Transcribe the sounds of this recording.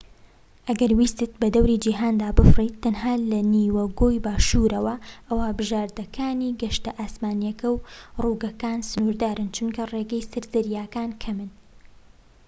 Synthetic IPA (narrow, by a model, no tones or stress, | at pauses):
ʔɐɡɐɾwiːst̪ɨt̪̚bɐd̪ɐwɾiːd͡ʒiːɦaːnd̪aːbɨfrit̪ːɐnɦaːlɐniːwɐɡoːjbaːʃuːɾɐwɐʔɐwaːbɨʒaːɾd̪ɐkʰaːniːɡɐʃt̪ɐʔaːsmaːnjɐkɐwruːɡɐkaːnsɨnuːɾd̪aːɾɨnt͡ʃʰunkʰɐreːɡɛjsɨɾzɐɾjaːkaːnkʰɐmɨn